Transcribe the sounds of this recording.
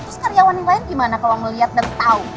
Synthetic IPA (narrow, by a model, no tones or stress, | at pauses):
t̪ʊskaɾijawaniŋlaɪnɡimanakawaməliat̪̚dant̪au